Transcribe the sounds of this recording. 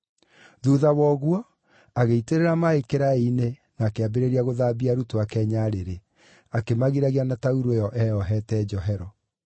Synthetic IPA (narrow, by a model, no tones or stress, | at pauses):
ðuðawɔːɣwɔ | aɣeiteɾeɾamaekeɾaine | naːkeabeɾeɾiaɣoðaːbiaɾutoakɛːɲaɾeɾe | akemaɣiɾaɣianatauɾuejɔʔɛɔɦɛtɛːd͡ʒɔɦɛɾɔ